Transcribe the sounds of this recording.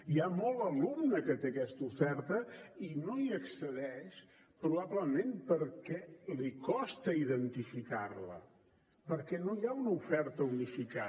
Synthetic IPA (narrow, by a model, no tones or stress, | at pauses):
iamɔlˠəlumnəkət̪ekɛst̪ufɛɾt̪əinoiəksəðɛʃ | pɾuβaβləmempəɾkɛlikɔst̪əiðənt̪ifikarlə̰ | pəɾkɛnoiaunəufɛɾt̪əunifika